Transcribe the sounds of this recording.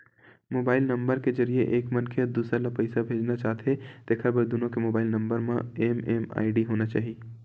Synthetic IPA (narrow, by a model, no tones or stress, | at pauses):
moːbaːɪlnɐ̃mbəɾkezɐɾieʔeːkmɐnkʰed̪uːsɾalapɐɪsabʱeːd͡ʒnat͡ʃaːɦt̪et̪eːkʰabɐd̪unõkemoːbaːɪlnɐ̃mbəɾmãeːmeːma̰ːiɖiɦoːnat͡ʃa̰ːɦie